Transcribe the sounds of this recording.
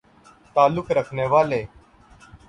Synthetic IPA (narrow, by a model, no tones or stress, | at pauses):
t̪aːlʊkɾəkʰneːʋaːleː